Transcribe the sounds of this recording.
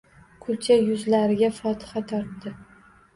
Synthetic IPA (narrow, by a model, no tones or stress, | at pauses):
kʰʊlt͡ʃajʊzlaɾɪɡʲafɒt̪ʰɪ̥χat̪ʰɒɾt̪ːɪ